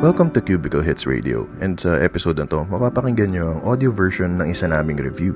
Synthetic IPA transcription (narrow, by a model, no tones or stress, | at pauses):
wɛlkɐmt̪ʊkjuːbɪkɐlɦɪt̪sɹḛd̪ɪ̰ʔo̰ʔɛ̃nd̪sɐʔɛpɪsoːd̪ont̪omɐpaːpɐkɪŋɡɐnɲoʔɐŋʔod̪ɪovɛɹʃonːɐŋɪsɐnaːmɪŋɾɛvjuː